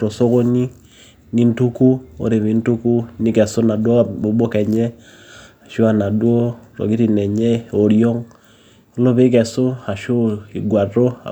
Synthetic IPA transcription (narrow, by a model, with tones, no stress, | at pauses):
ɾɔ˨so˦ko˦ni˦ | ni˦n˦tu˦ku˦o̰˦ɾe˨βi˨˦n˦tu˦ku˦ni˦kɛ˨so˦na˨dwɔ˦˨bo˨ɓo˦kɛ˨ɲɛ˦ | a˨ʃo˦a˨na˨do˦ɾɔ̰˨ki˦ɾi˨nɛ˨ɲɛ˦o˨ɾjɔ˦ŋ | o˦lo˦βe˦k̬ɛ˨so˦a˨ʃo˦i˨ɡwa˨ɾo̰˦˨